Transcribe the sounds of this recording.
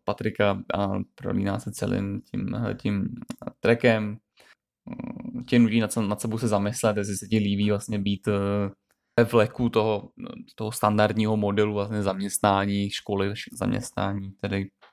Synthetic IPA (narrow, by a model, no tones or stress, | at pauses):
pat̪ɾɪka̰pɾo̰lḭːna̰ːsɛt͡sɛ̰lɪ̰mcʰḭm̰cɪmt̪ɾɛkɛm | cɪnuciːnat̪nat̪sɛbowsɛzamɪslɛt̪jɛs̬ɪsɛcɪliːbiːvlasɲɛbiːt̪ | vɛvlɛkut̪oɦot̪oɦost̪andaɾd̪ɲiːɦomodɛluvlasɲɛzamɲɛst̪naːɲiːʃkolɪvʃza̰mɲɛ̰st̪na̰ːɲiːt̪ɛdɪ